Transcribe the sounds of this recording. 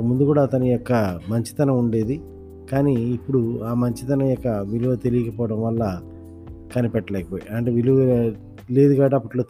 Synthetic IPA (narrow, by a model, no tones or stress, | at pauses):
kɐmund̪ukuːɽaːt̪ɐnujɔkːɐmɐɲt͡ʃi̥t̪ɐnɐuɳɖe̞ːd̪i | kaːniːpːuɽuaːmɐɲt͡ʃit̪ɐnɐjɔkːɐʋiluʋɐt̪elijɐkɐpɔːʋɐɽɐmʋɐlːɐ | kɐnipɛʈːɐlɛːkɐpoːjiɐɳʈeːʋiluɐ | leːd̪uɡaːʈɐpːɐʈloː